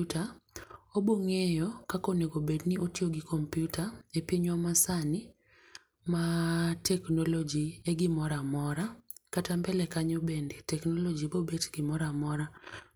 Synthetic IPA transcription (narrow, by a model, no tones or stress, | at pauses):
ta | oboŋejɔkakoneɡobedniʔotioɡɪkʰompjutaepiɲwɔmasanɪ | matɛknɔlɔd͡ʒieɡɪmɔɾamɔɾakatambɛlɛkaɲobenditɛknɔlɔd͡ʒibobetɡ̥ɪmɔɾamɔɾa